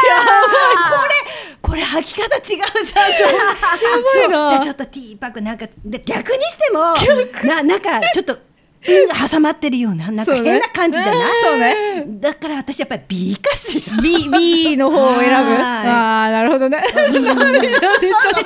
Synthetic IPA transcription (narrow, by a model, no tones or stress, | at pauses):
jako̞ɾe̞ko̞ɾe̞hakʲi̥kat̪at͡ɕiɡaɯ̟ʑa | jbinaet͡ɕo̞t̪ːo̞t̪ʲiːpakɯ̟nãŋkad̪eɡʲakɯ̟ɲ̟iɕi̥t̪e̞mo̞nanãŋkat͡ɕo̞t̪ːo | ɯ̟hasamat̪ːe̞ɾɯ̟jo̞ːnanãŋsoaːẽnːakãɲ̟d͡ʑid͡ʑanassoːned̪akaɾaβat̪aɕijapːaɾʲib̥ʲikaɕiɾbʲibʲino̞ɦoːe̞ɾabɯ̟anaɾɯ̟ho̞d̪one | ea